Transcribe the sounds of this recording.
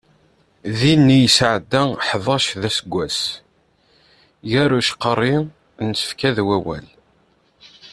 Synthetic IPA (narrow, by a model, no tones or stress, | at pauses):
ðinːijəsʕd̪ːæħðˤɑʃðæsəɡʷːæs | jæɾuʃqərˤːi | nsə̥fkæðwæwæ̰l